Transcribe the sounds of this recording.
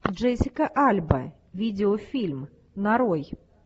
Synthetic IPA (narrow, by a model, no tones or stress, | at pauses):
ʐɛsʲɪkɐʔalʲbɐ̰ | vʲid͡zʲɛɔfʲilʲm | naɾɔj